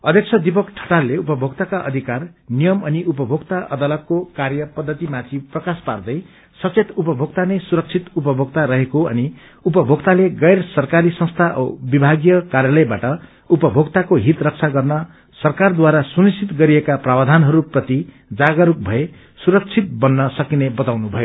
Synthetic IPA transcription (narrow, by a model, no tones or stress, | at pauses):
ʌd̪ʱjʌk̚t͡sʰʌd̪ip̬ʌkʈʰʌ̥ʈalːeupʌbʱoɡt̪akaʔʌ̰d̪ʱikar | nijʌmʌniʔupʌbʱoɡt̪aʔʌ̰d̪alʌt̪̚kokarjʌpʌd̪ʱːʌt̪imat̪ʰiprʌkaspard̪ʌj | sʌt͡set̪upʌbʱoɡ̚t̪anejsuɾʌk̚t͡sʰit̪upʌbʱoɡ̚t̪aɾʌɦekoʌ̰ni | upʌbʱoɡt̪aleɡʌjrsʌrkaɾisʌ̃ŋst̪ʰaʔbibʱaɡjʌkarjalʌjbaʈʌ | upʌbʱoɡt̪akoɦit̪rʌk̚t͡sʰaɡʌrnʌ | sʌrkard̪waɾasunisʰit̪ɡʌɾiekaprabad̪ʱanɦʌɾuprʌt̪i | d͡zaɡʌɾuk̚bʱʌe | suɾʌk̚t͡sʰit̪̚bʌnːʌsʌkinebʌt̪awnubʱʌjo